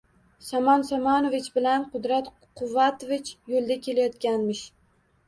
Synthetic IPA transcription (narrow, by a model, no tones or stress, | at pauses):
samɒnsamɒnovɪt͡ʃbɪlanqʰʊd̪ɾat̪ | qʰʊvːat̪ovɪt͡ʃjolˠd̪akʲʰe̞lajɒt̪kʲanmɪʃ